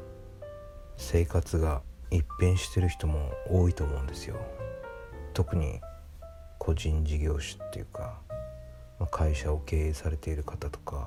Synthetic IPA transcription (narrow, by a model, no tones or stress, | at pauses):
se̞ːkat͡sɨɡaipːẽɰ̃ɕi̥t̪e̞ɾɯ̟çi̥t̪o̞mo̞oːit̪o̞ːmo̞ɯ̟̃nd̪e̞sɨjo̞̰ | t̪o̞kɯ̟ɲ̟ḭ | kʰo̞ʑĩɲ̟d͡ʑiɡʲo̞ːɕi̥t̪ːe̞̰jɯ̟ka | makʰaiɕao̞ke̞ːeːsaɾe̞t̪e̞iɾɯ̟kat̪at̪o̞̥ka